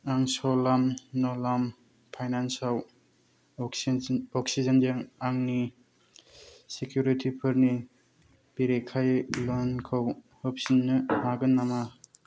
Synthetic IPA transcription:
aŋsɔlamnɔlam | pʰajnansal | ɔksid͡ʒənd͡ʒeŋaŋni | sekʰjuɾitʰipʰɯɾni | b̥iɾekʰajlɔnkʰaw | hɔp̚sinːɯmaɡɯnːama

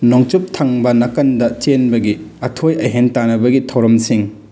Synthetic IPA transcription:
noŋt͡ʃup̚tʰaŋbɐnɐkɐndɐt͡ʃenbɐɡiɐtʰojɐjɦentanɐbɐɡitʰɐwɾɐmsiŋ

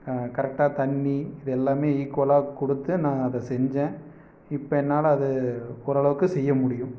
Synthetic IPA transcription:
kɐɾɛk̚ʈaːt̪ɐɳːiɪðɛlːaːmeːiːkːʋlaːkɔɽɯt̪ːɯnãːɐðɛsɛɲd͡ʒẽː | ɪpːɐɛnːaːlɐːðɯɔɾɐɭɐʋɯkːɯsɛjːɐmʊɽɪjʊ̃

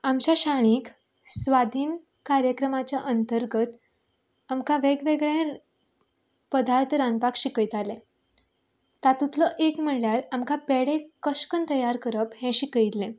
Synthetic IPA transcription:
amt͡ɕjaɕaɽ̃iːk | sʋad̪ʱiːn | kaɾjəkɾəmat͡ɕjaʔənt̪əɾɡət̪ | amkaʋeɡʋeɡɭẽ | pəd̪aɾt̪ʰəɾanpakɕikəjt̪alẽ | t̪at̪ut̪ləʔekm̤əɭljaɾamkapeɽekəɕkənt̪əjaɾkəɾəphɛ̃ɕikəjt̪lẽ

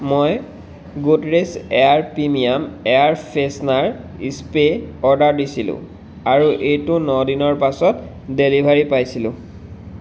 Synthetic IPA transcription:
moj | ɡotɹesɛaɹpimijamɛaɹpʰesnaɹ | ispeɔɹdaɹdisilʊ̰̃ | aɹuʔejtʊnɔdinɔɹpasɔt | delibʱaɹipajsilʊ̰̃

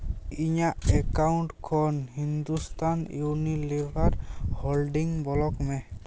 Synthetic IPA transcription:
iɲaʔɛkawɳʈkʰɔnhind̪ust̪ʰanjunilibʱaɾhɔlɖiŋbɔlɔkmɛ

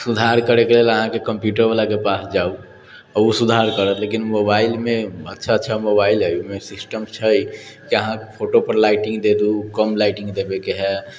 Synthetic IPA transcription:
sud̪ʱaɾkəɾekeleːləɦãkekə̃mpjuʈəɾbalakepasd͡ʒau | ɔɾusud̪ʱaɾkəɾət̪lekinmobaːɪlmẽətːʃʰaətːʃʰamobaɪlɦɛjumẽsɪsʈəmt͡ʃʰəikiəɦãpʰoːʈopəɾlaːɪʈɪ̃ŋɡd̪ed̪ukəmlaɪʈɪ̃ŋɡd̪ebekeɦɛ

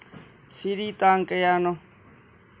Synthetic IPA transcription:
siɾit̪aŋkejano

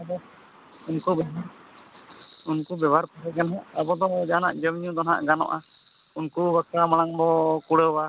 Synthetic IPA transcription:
ab̪ɔ | unkubɛɦaʔ | unkubɛbaɾpaɦɛɡanɦaʔabɔd̪ɔd͡ʒana̰ʔd͡ʒəmɲũd̪ɔnɦa̰ʔɡanɔ̰ʔa | unkubakamaɽ̃aŋbɔkuɽəwa

